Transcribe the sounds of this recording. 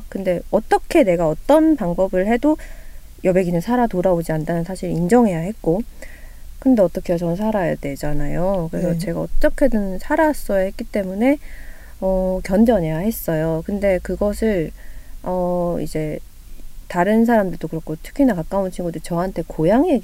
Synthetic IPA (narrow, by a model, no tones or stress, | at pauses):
kɯnde̞ʌt͈ʌkʰe̞ne̞ɡaʌt͈ʌnpaŋbʌbɯɭhe̞do | jʌbe̞ɡinɯnsʰaɾatoɾaod͡ʑiandanɯnsʰaɕʰiɾind͡ʑʌŋɦe̞jahe̞t̚k͈o | kɯnde̞ʌt͈ʌkʰe̞at͡ɕʌnsʰaɾajadwe̞d͡ʑanajokɯɾesʰʌt͡ɕe̞ɡaʌt͈ʌkʰe̞dɯnnsʰaɾas͈ʌjaɦet̚k͈it͈e̞mune̞ | ʌkjʌnd͡ʑʌɲe̞jahe̞s͈ʌjokɯnde̞kɯɡʌsʰɯɭ | ʌḭd͡ʑe̞ | taɾɯnsʰaɾamdɯɭd͈okɯɾʌkʰotʰɯ̥kʰinakak͈aunt͡ɕʰiŋɡudɯɾit͡ɕʌɦantʰe̞kojaŋiɦeɡ